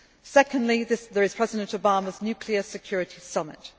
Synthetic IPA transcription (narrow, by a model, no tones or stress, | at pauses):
sɛkə̃ndˡliðɪðəɹɪz̥pʰɹ̥ɛzɪdə̃ntəʊbɑːməznjʉˑkʰliəsɪkʰj̥ɔːɹɪtʰisʌmɪ̰t